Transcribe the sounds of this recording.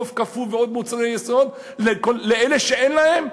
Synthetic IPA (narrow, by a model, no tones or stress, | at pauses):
ofkafulveo̞d̪̚mut͡saʁejesod̪ | lekolːeeleʃeʔenlahe̞m